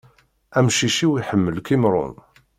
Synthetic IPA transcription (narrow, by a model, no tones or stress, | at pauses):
æmʃiʃiwiħəmːəlkimɾˤʊ̰n